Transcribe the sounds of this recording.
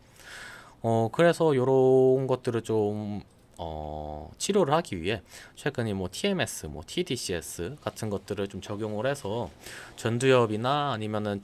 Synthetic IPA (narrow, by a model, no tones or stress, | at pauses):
ʌkɯɾe̞sʰʌjoɾʌnɡʌt̚t͈ɯɾɯɭt͡ɕom | ʌ̰t͡ɕʰiɾjoɾɯɭhaɡiɥiɦe̞t͡ɕʰwe̞ɡɯɲimwʌtʰie̞me̞s͈ʰɯmwʌ̰tʰidiɕʰies͈ʰɯkatʰɯnɡʌt̚t͈ɯɾɯɭt͡ɕomt͡ɕʌɡjoŋɯɾɦe̞sʰʌt͡ɕʌndujʌbinaːɲimjʌnɯn